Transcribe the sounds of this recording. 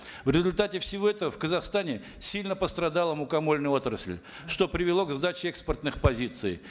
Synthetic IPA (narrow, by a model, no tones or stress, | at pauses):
vɾʲɪzʊlʲt̪atʲɪfsʲɪvo̞ɛt̪əvəfkəzɐχst̪anʲɪ | sʲilʲnəpəst̪ɾɐd̪alˠəmʊkɐmo̞lʲnɨjo̞t̪ɾəsʲlʲ | ʂt̪o̞pɾʲɪvʲɪlˠo̞ɡzd̪at͡ɕɪɛkspərt̪nɨxpɐzʲit̪sɨ̰j